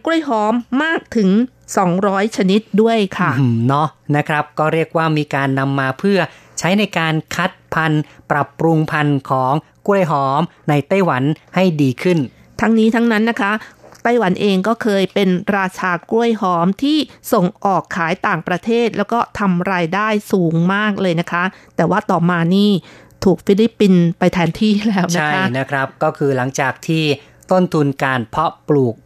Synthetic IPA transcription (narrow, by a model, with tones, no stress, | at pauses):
ku˥˩əjɦɔː˦˥mːaː˥˩k̚t̪ʰɯ˩˦ŋ | sɔː˩˦ŋɾɔː˦˥jt͡ɕʰa˧ni˦˥t̪̚du˥˩əjkʰa˥˩nɔ˦˥na˦˥kʰɾa˦˥p̚kɔː˥˩ɾi˥˩ək̚waː˥˩miː˧kaː˧nːa˧mːaː˧pʰɯ˥˩ɐt͡ɕʰa˦˥jna˧jkaː˧nkʰa˦˥t̪̚pʰa˧npɾa˨˩pːɾu˧ŋpʰa˧nkʰɔː˩˦ŋ | ku˥˩əjɦɔː˦˥m | na˧jt̪a˥˩jwa˩˦nha˥˩jdiː˧kʰɯ˥˩n | t̪ʰa˦˥ŋniː˦˥t̪ʰa˦˥ŋna˦˥nːa˦˥kʰa˦˥t̪a˥˩jwa˩˦nʔeː˧ŋkɔː˥˩kʰɤː˧jpe˧nɾaː˧t͡ɕʰaː˧ku˥˩əjɦɔː˦˥mt̪ʰiː˥˩so˨˩ŋʔɔː˨˩kʰːaː˩˦jt̪aː˨˩ŋpɾa˧t̪ʰeː˥˩t̪̚lɛː˦˥wkɔː˥˩t̪ʰa˧mɾaː˧jdaː˥˩jsuː˩˦ŋmaː˥˩k̚lɤː˧jna˦˥kʰa˦˥t̪ɛː˨˩waː˥˩t̪ɔː˨˩maː˧niː˥˩ | t̪ʰuː˨˩k̚fi˦˥li˦˥pːi˧npa˧jt̪ʰɛː˨˧nt̪ʰiː˥˩lɛː˦˥wnt͡ɕa˦akʰa˦˥ʔna˦˥kʰɾa˦˥p̚kɔː˥˩kʰɯː˧la˩˦ŋt͡ɕaː˨˩k̚t̪ʰiː˥˩ | t̪o˥˩nt̪ʰu˧nkaː˧npʰɔ˦˥pluː˨˩k̚